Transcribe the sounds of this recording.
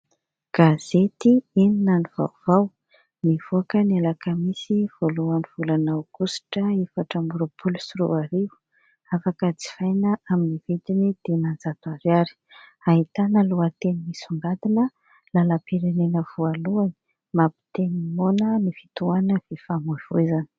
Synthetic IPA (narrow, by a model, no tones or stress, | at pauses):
ɡ̥az̥et̪iininaniva̰wv̥aw | nivoakənialakəmisiv̥oluaniv̥ulanawɡ̥usi̥ʈ͡ʂəefaʈ͡ʂəmbuɾopʰulu̥suɾṵaɾiu̥ | afakət͡si̥fajnəaminivit̪inid̪̥enand͡zat̪uaɾjaɾi̥aɦit̪analuat̪enimisuŋɡat̪inə | laləpeɾenenəvualuani | mapi̥t̪enimonənifi̥t̪uanəv̥efamuiv̥oizani̥